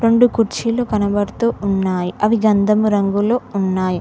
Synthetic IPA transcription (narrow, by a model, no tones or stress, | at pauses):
ɾoɳɖukuɾt͡ʃiloːkɐnɐbɐɾt̪uːunːaːjiʔɐʋiɡɐnd̪ʱɐmuɾɐŋɡuloːunːaːji